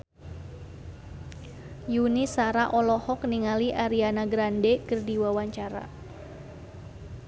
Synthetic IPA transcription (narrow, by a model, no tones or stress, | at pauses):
junisaɾaʔɔlɔhɔk̚niŋaliʔaɾianaɡɾandekərdiwawaɲt͡ʃaɾa̰